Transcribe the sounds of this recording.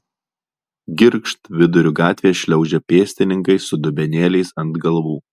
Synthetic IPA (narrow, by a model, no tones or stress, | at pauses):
ɡʲɪɾkʃt̪ʋʲɪd̪ʊɾʲʊɡɑːt̪ʲʋʲeːʃʲlʲɛʊd͡ʒʲɛpʲeːsʲt̪ʲɪnʲɪ̃ŋkɐɪsʊd̪ʊbʲɛnʲeːlʲɛɪsɐnd̪ɡɐlˠʋuː